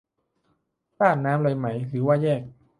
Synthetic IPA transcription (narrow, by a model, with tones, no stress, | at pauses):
saː˥˩t̪̚naː˦˥mlɤː˧jma˦˥jɾɯː˩˦waː˥˩jɛː˥˩k̚